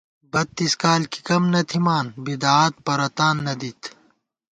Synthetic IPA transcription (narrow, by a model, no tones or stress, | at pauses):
bɐt̪ːiskaːlki̥kɐmnɐt̪ʰimaːnbid̪aːaːt̪̚pɐɾɐt̪aːnːɐd̪it̪